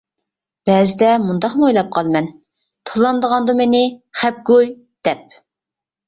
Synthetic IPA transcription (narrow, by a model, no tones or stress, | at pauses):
b̥ɛzɪd̪ɛmund̪ɑqmojlˠɑp̚qʰɑlˠmɛn | t̪ʰolˠɑmd̪əʁɑnd̪umenɪχɛp̚ɡoj | d̪̥ɛp̚